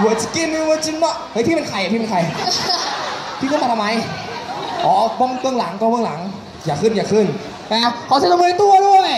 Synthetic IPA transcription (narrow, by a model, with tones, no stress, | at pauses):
u˧˨˩t͡ɕi̥˧˩ki˧˥mi˧məː˧t͡ɕi˧ŋnɔ˧˥hɤ˨˦˥t̪ʰiː˧˨me˧ŋkʰa˧˩ja˨˩iː˧m˧nkʰa˨˩j | pʰi˧˩kːsa˨˩tʰa˧ma˨˦j | ʔɔː˨˦bo˧˩˨ŋpɯ˧əŋla˩˦ŋkɔ˧bɯ˧ə˨ŋlaː˨˩˦ŋ | jaː˨˩kʰɯː˧˩njaː˨˩kʰɯː˧˩n | ʔa˧˩kʰɔ˨˦t͡ɕ̪ʰoː˧t̪u˧ɐɾu˧˥˩əj